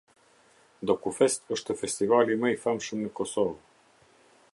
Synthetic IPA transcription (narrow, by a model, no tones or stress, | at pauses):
d̪okufest̪əʃt̪əfest̪ivaliməjfamʃunikosovo